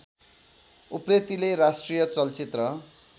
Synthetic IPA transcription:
upret̪ileɾasʈrijʌt͡sʌlt͡sit̪rʌ

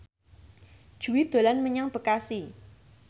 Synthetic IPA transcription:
d̥ʒ̥ṳwid̪̥o̤lanməɲaŋb̥ə̤kasi

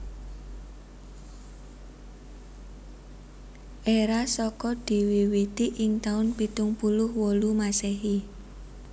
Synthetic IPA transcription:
ʔeɾasɔkɔd̪̥i̤wiwit̪iʔɪŋt̪aʊnpit̪ʊŋpulʊhwɔlumasɛɦi

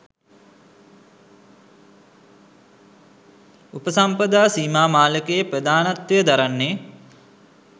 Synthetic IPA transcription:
upəsampəd̪aːsiːmaːmaːləkəjəprəd̪aːnat̪wejəd̪aɾanːeː

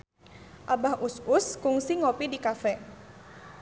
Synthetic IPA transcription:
ʔabahʔʊsʊskʊŋsiŋopidikafɛ

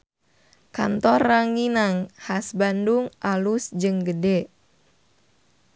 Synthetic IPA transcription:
ka̰nt̪ɔrːaŋinaŋhasbanduŋʔalusd͡ʒɨŋɡədɛ

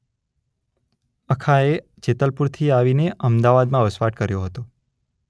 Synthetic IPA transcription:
əkʰae | t͡ʃet̪əlpuɾt̪ʰiaʋineʔəmd̪aʋad̪mãʋəsʋaʈkəɾjoɦət̪o

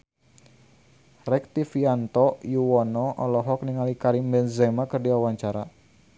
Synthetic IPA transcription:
rɛk̚t̪ifiant̪ɔjuwɔnɔʔɔlɔɦɔk̚niŋalikaɾimbɛnzɛmakərdiawaɲt͡ʃaɾa

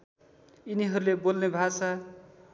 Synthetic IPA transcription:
iniɦʌɾulebolnebʱasa

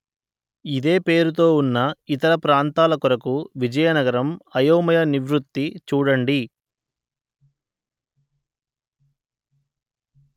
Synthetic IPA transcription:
id̪e̞ːpeːɾut̪̬o̞ːunːɐit̪ɐɾɐpɾaːnt̪aːlɐkuɾɐkuʋid͡ʒɐjɐnɐɡɐɾɐmɐjoːmɐjɐniʋɾut̪ːit͡ʃuːɽɐɳɖi

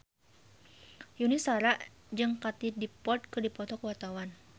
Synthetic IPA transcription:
junisaɾaʔ | d͡ʒɨŋkat̪idipɔrt̪̚kɨrdipɔt̪ɔkəwart̪awan

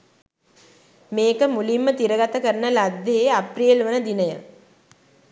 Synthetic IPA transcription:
meːkəmulimːət̪iɾəɡat̪əkəɾənəlad̪ːeeaprijəlʋənəd̪inəjə

